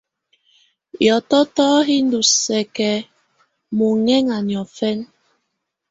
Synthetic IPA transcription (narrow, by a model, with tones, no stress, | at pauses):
jɔ˨tɔ˦tɔː˦ɦi˦n˦du˨sɛ˨kɛ˨ | mu˨ŋɛ˦ŋa˨ɲjɔ˨fɛ˦n